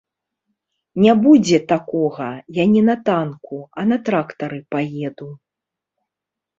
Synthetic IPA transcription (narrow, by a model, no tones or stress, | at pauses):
nʲabud͡zʲɛt̪akɔɣɐjanʲɛnɐt̪ankuɐnɐt̪ɾakt̪ɐɾɨpajɛd̪u